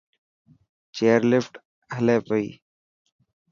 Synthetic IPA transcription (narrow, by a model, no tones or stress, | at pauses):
t͡ʃeːəɾlɪfʈ | ɦəleːpəḭː